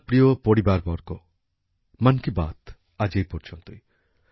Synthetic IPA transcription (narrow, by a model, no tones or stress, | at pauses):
pɽijopoɽibaɾbɔɾko | mankiba̰t̪ | ad͡ʒejpɔɾt͡ʃʰɔnt̪ui